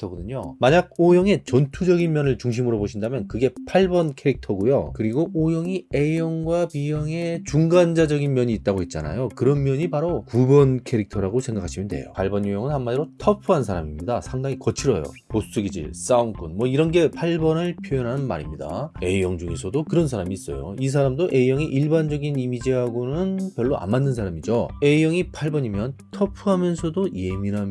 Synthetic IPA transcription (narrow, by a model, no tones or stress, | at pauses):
tʰʌɡʌdɯɲomaɲaɡ̚ojʌŋe̞t͡ɕʌntʰud͡ʑʌɡinmjʌnɯɭt͡ɕuŋɕ̬ʰimɯɾoboɕʰindamjʌnkɯɡe̞pʰaɭbʌnkʰe̞ɾik̚tʰʌɡujokɯɾiɡoʔojʌŋie̞jʌŋɡwapijʌŋe̞t͡ɕuŋɡand͡ʑad͡ʑʌɡinmjʌɲiːt̚t͈aɡoit̚t͡ɕ͈ana̰jokɯɾʌnmjʌɲipaɾokubʌnkʰe̞ɾik̚tʰʌɾaɡosʰe̞ŋɡakʰaɕʰimjʌndwe̞̰jo̰pʰaɭbʌnjojʌŋɯnhanmadiɾotʰʌpʰuɦansʰaɾamimɲidasʰaŋdaŋikʌt͡ɕʰiɾʌjo̰pos͈uɡid͡ʑḭɭs͈aunk͈ʰunmwʌiɾʌnɡe̞pʰaɭbʌnɯɭpʰjojʌnɦanɯnma̰ɾimɲida̰e̞jʌŋd͡ʑuŋesʰʌdokɯɾʌns̬ʰaɾamiːs͈ʌ̰jo̰is̬ʰaɾamdoʔejʌŋiʔiɭband͡ʑʌɡinimid͡ʑiɦaɡonɯnpjʌɭːoʔa̰mmanːɯnsʰaɾamid͡ʑoe̞jʌŋipʰaɭbʌɲimjʌntʰʌpʰuɦamjʌnsʰʌdoje̞minɦam